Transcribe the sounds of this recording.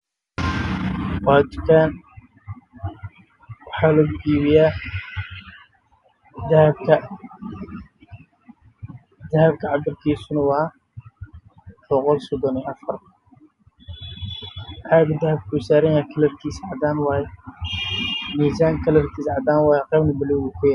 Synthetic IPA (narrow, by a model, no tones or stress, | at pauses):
baːd͡ʒ̪ʊ̥kʰaːn | wɑħɑːlɐɡʊɡiːβɪjaː | d̪ɐhbkʰɐ | d̪ɐhɐbkʰɐʕɑd̪ɐrkʰiːsʊnɐwɑ | b̥ɔqɔlsɔd̪ɔniʔɐfɐr | ħaːɡd̪ɐhɐb̚kʰʊwɪsaːɾɐjakʰɐlɐrkʰiːsʕɑd̪aːnwɑːjɛ | miːsaːŋkʰɐlɐrk̪ʰiːsʕɑd̪aːnwɑːjɛqɛːbnɐbɪluwɣukʰʊjaɾ